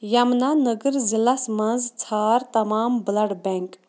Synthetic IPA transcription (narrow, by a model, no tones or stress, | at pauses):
jɐmnanəɡəɾzilɐsmɐ̃nzt͡sʰaːɾt̪ɐmaːmblɐɽbɛŋk